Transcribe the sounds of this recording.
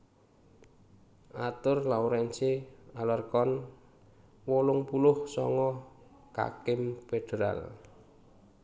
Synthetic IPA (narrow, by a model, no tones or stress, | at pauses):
ʔat̪ʊrlauɾɛnt͡ʃealɔrkɔn | wɔlʊŋpulʊhsɔ̰ŋɔ | ka̰kɪmped̥eɾa̰l